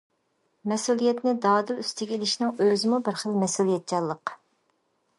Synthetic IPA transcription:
mɛsulˠijɛt̪nɪd̪ɑːd̪ɨlyst̪ʰɪɡʲɛelɪʃnɪŋøzɪmubɪɾχəlmɛsulˠijɛt̪̚t͡ʃʰɑlˠːəq

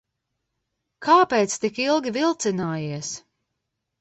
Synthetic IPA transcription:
kʰaːpeːt̪st̪ikilˠɡʲivilˠt̪sinaːjiɛs

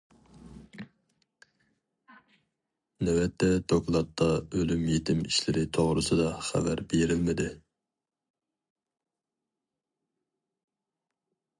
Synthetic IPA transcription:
nɛwɛt̪ʰːɛd̪̥oklˠɑt̪ʰːɑølymjet̪ʰɪmiʃlɪɾɪt̪ʰoʁɾɨsɨd̪ɑχæ̰væɾbeɾɪlmɪd̪ɪ

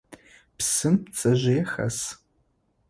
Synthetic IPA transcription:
psɨmt͡sʰʼɐʑʷeːxɐ̰s

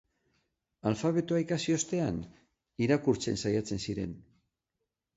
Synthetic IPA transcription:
alfaβ̞e̞t̪oaikasio̞st̪e̞an | iɾakuɾt͡se̞̰nsajat͡se̞nsiɾe̞̰n

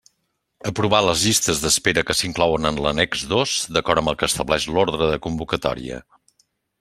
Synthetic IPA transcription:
əpɾuβaləzʎist̪əzðəspeɾəkəsiŋklɔwənənlənɛkzðozd̪əkɔɾəmbəlˠkəːst̪əβlɛʃloɾð̞ɾəðəkumbukət̪ɔ̰ɾḭə̰

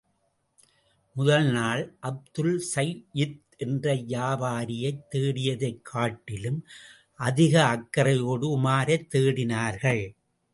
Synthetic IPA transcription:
mʊðɐlnaːɭʔɐb̚d̪ɯlsɐjɪt̪ | ɛndrɐjaːbaːɾɪjɐɪt̪ːeːɽɪjɐðɐɪkʰːaːʈːɪlɯm | ʔɐðɪɣɐːkːɐɾɐjoːɽɯʊmaːɾɐt̪ːeːɽɪnaːɾɣɐɭ

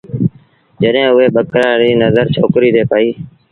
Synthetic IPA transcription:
d͡ʒəɗɦẽːʊɦeːɓəkɾaːɾiːnəzəɾt͡ʃʰoːkɾiːɾeːpaːiː

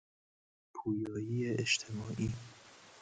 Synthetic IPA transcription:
pʰuːjɒːjiːeʔeʃt̪ʰemɒːʔiː

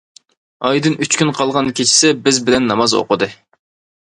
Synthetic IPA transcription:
ɑjd̪ɨnyt͡ʃkʲynqʰɑlˠʁɑnkʲʰet͡ʃʰɪ̥sɪbɪzbɪlɛnːɑmɑzo̰qʊd̪ɨ

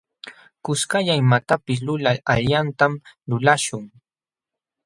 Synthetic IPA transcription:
kʊskaʎaɪmat̪apɪs̬lʊlaaʎjant̪amlʊlaʃʊŋ

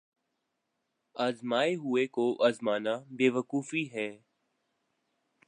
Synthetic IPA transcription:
aːzmaːeɦʊekoʔaːzmaːnabeːʋəkuːfiɦɛː

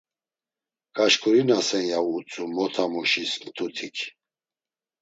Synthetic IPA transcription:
kʼaʃkʰuɾinasɛnjauːt͡sʼumɔt̪ʰamuʃisnt̪ʰut̪ʰikʰ

